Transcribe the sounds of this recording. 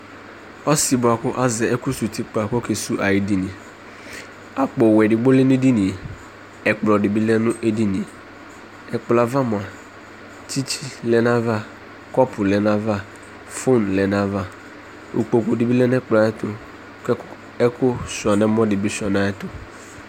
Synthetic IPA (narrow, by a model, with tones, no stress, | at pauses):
ɔ˦si˨bʊ˨a˨kʊ˦ʔa˦zɪ˨ɛ˦kʊ˦su˨ti˦k͡pa˨kɔ˦ke˨su˦ʔa˨ji˦di˦nĩ˨ | a˦k͡pɔ˨wɛ˨dɪ˨ɡ͡bo˦lɛ˦n˦e˦di˦ni˨e˨ | ɛ˨k͡plɔ˨dɪ˨bi˦lɛ˦nʊ˦ʔe˦di˦ni˨e˨ | ɛ˨k͡pla˨va˦mʊ˨a˨ | t͡ʃi˦t͡ʃi˦lɛ˨na˦va˦ | kɔ˦pʰʊ˨lɛ˨na˦va˦˨ | fo˦nlɛ˨na˦va˦ | ṵ˨k͡po˨ku˨di˨bi˦lɛ˦n˦ɛ˦k͡pla˨ɛ˦tʊ˦ | k | ɛ˦kʊ˦sɔ˨nɛ˦mɔ˦dɪ˨bi˦sɔ˨na˨˦ɛ˦tʊ˦